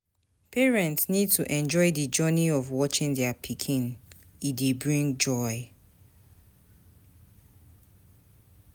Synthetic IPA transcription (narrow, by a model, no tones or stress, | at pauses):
pʰɛɹɛ̃ntsnid̚tʰuʔɛ̃nd͡ʒɔɪdəd͡ʒɔniɔvwɔt͡ʃɪ̃ŋdɛapʰikʰĩn | idebɹĩŋd͡ʒɔɪ